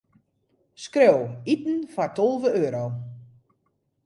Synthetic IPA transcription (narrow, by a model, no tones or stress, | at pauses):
skrowitn̩fɔrtʰolˠvəøːɾow